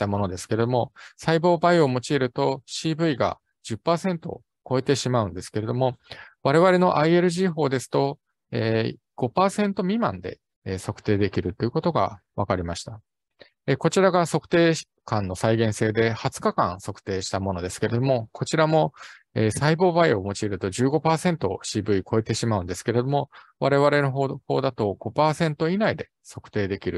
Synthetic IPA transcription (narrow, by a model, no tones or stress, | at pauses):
t̪amo̞no̞d̪esɨ̥ke̞ɾe̞d̪o̞mo̞saibo̞ːbaio̞mo̞t͡ɕiːɾɯ̟t̪o̞ɕiːbɯ̟iɡa̰ | d͡ʑɨpːaːsẽ̞nt̪o̞̰ | ko̞e̞t̪e̞ɕimaɯ̟̃nd̪e̞sɨ̥ke̞ɾe̞d̪o̞mo̞βaɾe̞β̞aɾe̞no̞ʔaie̞ɾɯ̟ʑiɦo̞ːd̪e̞sɨ̥t̪o̞ | eː | ɡ̥o̞paːsẽ̞nt̪o̞mʲimã̰nd̪e̞̰ | so̞kɯ̟̥t̪e̞ːd̪e̞kʲiɾɯ̟t̪ːojiɯ̟ko̞t̪o̞ɡa̰βakaɾʲimaɕi̥t̪a | eko̞t͡ɕiɾaɡaso̞kɯ̟̥t̪e̞ː | kãnːo̞saiɡẽ̞ɰ̃seːd̪e̞hat͡sɨ̥kakã̰ɰ̃so̞kɯ̟̥t̪e̞ːɕi̥t̪amo̞no̞d̪e̞sɨ̥ke̞ɾe̞d̪o̞mo̞kʰo̞t͡ɕiɾamo̞ | eːsaibo̞ːbaio̞mo̞t͡ɕiːɾɯ̟t̪o̞ʑɨːɡo̞paːsẽ̞nt̪o̞ɕiːbɯ̟ikʰo̞e̞t̪e̞ɕimaɯ̟̃nd̪e̞sɨ̥ke̞ɾe̞d̪o̞mo̞βaɾe̞β̞aɾe̞noɦho̞ːd̪at̪o̞ɡ̥o̞paːsẽ̞nt̪o̞inaid̪e̞ | so̞kɯ̟̥t̪e̞ːd̪e̞kʲiɾɯ̟